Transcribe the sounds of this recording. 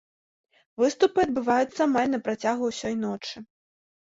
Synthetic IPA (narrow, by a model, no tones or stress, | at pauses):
vɨst̪upɨɐd̪̚bɨvajut̪sːɐmalʲnɐpɾat͡sʲaɣuwsʲɔjnɔt͡ʂɨ